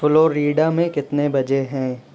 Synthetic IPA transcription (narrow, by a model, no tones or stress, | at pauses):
fʊloːɾiːɖamẽkɪt̪nebɐd͡ʒeɦɛ̃ː